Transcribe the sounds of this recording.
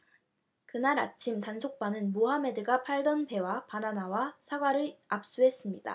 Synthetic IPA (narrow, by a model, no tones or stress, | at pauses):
kɯnaɾat͡ɕʰimtansʰok̚p͈anɯnmoɦame̞dɯɡapʰaɭdʌnpe̞wapananawasʰaɡwaɾɯɭap̚s͈uɦe̞s͈ɯmɲida̰